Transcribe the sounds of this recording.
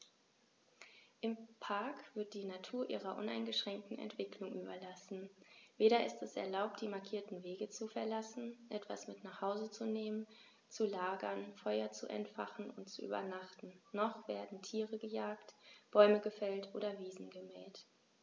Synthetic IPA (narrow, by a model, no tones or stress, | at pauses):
ʔɪmpʰaɐkv̥ɪɐt̚d̥iːnatʰuːɐʔḭːʁɐʔʊna̰ɪnɡəʃʁ̥ɛŋk̚tn̩ɛ̰ntv̥ɪkʰlʊŋʔyːbɐlasn̩veːɾɐɪstɛsɛ̰ɐlaʊp̚td̥iːmaɐkʰiːɐtn̩veːɡət͡sufɛɐlasn̩ʔɛtv̥a̰smɪtnaχhaʊzət͡suneːmən | t͡sulaːɡɐnfɔʏɐt͡suʔɛ̰ntfaχn̩ʊntt͡suʔy̰ːbɐ̰naχtn̩ːɔχv̥eːɐdn̩tʰiːʁəɡəjaːktb̥ɔʏməɡəfɛltʔoːɾɐviːzn̩ɡəmɛːlt